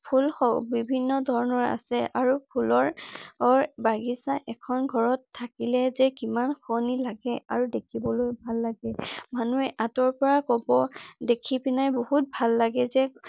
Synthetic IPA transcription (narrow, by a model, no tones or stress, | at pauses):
pʰulxɔbibʱinːɔdʱɔɹɔnɔɹa̰sɛʔaɹupʰulɔɹɔɹbaɡisaʔɛkʰɔnɡʱɔɹɔtʰːakilɛzɛkimanxʰɔnilaɡɛaɹudekʰibɔlojbʱalːaɡɛmanuɛʔatɔɹpɔɹakɔbɔdekʰipinajboɦut̚bʱalːaɡɛzɛ